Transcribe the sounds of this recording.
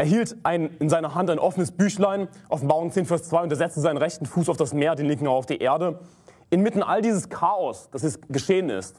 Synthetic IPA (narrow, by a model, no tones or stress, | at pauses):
ʔeːɐɦiːltʔaɪnɪnzaɪnɐɦantaɪnʔɔfənəsb̥yːçlaɪnʔɔfn̩baːʁ̞ʊŋt͡seːnfɛɐst͡sv̥aɪʊntɛɐzɛt͡stəzaɪnənʁɛçtn̩fuːsaʊfd̥asmeːɐdeːnlɪŋkŋ̩aʊaʊfd̥iːʔeːɐdə | ʔɪnmɪtn̩ʔa̰ldiːzəskʰaːɔsd̥asjɛt͡sɡ̥əʃeːənɪ̰st